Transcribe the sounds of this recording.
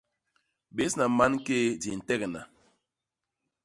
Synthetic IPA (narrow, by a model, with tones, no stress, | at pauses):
ɓe˨˦sna˨ma˦n˦ke˦di˨n̩˨tɛ˦kna˨